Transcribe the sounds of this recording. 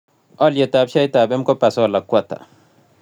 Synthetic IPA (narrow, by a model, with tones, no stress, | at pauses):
ʔɔ˦lje˨ta˨pʃa˦jta˨bɛ˦mkɔ˦pa˨sɔ˦la˨kwa˦ta̰˨